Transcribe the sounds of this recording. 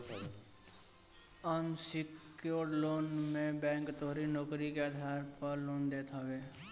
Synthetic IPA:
ənsɪk | joːɾɖloːnmẽbɛ̃ːŋkt̪oɦɾinoːkɾikead̪ʱaːɾpəɾloːnd̪eːt̪ʰɦəwe

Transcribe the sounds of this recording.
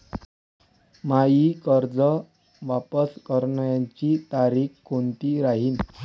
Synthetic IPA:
majiːkəɾd͡zə | ʋapəskəɾɳəjaɲt͡ɕit̪aɾiːkkont̪iːɾaɦiːn

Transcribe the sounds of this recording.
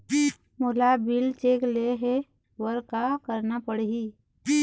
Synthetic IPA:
mʊlabilt͡ʃeːkleɦe | wəɾkakəɾnapəɽɦi

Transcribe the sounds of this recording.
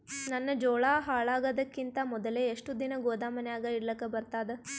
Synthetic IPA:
nɐnːɐd͡ʒɔːɭaːɦaːɭaːɡɐd̪ɐkːint̪ɐmɔd̪ɐleːʂʈud̪inɐɡoːd̪aːmɐnɛjaːɡɐiɽlɐkːɐbɐɾt̪aːd̪e

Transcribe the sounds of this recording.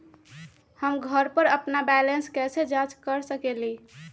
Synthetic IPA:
həmɡʱəɾpəɾəpnabɛlenskɛsed͡ʒad͡ʒkəɾsəkeli

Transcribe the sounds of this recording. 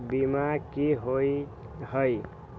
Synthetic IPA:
bimakiɦoi | həj

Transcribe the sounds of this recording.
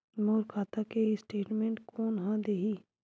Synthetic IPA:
noːɾkʰaːt̪akeisʈeːʈmẽːɳʈkoːnɦãd̪eːɦiː

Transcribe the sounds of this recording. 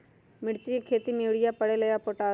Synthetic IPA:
mɪɽt͡ʃiekʰeːt̪imeːʋɽɪjapəɽeləjaːpoʈaː

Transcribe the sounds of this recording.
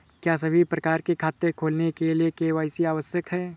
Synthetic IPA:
kjaːsɐbʱipɾɐkaːɾkekʰaːt̪ekʰoːlnekeliekeʋaːɪsiaːʋəsjəkɦɛː

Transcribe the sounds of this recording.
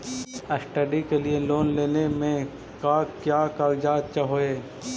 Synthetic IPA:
əsʈəɖikelieloːnleːnemẽ | kaːkjaːkaːld͡ʒaːt̪t͡ʃəɦoːeː

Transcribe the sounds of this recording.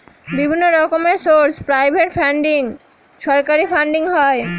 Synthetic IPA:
bibʱinːoɾɔkomesoɾspɾajbʱeʈfʰaɳɖiŋ | ʃɔɾkaɾifaɳɖiŋɦɔe

